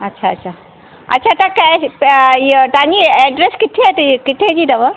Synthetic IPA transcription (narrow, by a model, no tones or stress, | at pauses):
ɐtːɕʰaːtːɕʰa | ɐ̰tːɕʰat̪aka | jʈaniɛɖɾeskit̪ʰet̪kit̪ʰed͡ʑid̪ɐʋəɾ